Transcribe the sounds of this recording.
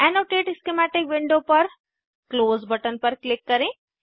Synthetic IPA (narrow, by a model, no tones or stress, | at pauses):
ɛnoːʈeːʈɪskemɛːʈɪkʋɪ̃ɳɖoːpɐɾ | kloːzbɐʈənpɐɾklɪkːɐɾẽː